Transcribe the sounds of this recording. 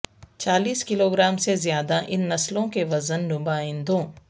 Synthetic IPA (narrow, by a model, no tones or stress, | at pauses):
t͡ʃaːliːskɪloːɡɾaːmsezjaːd̪aʔɪnːɐslõkeʋɐzənːʊbaːɪ̃nd̪õː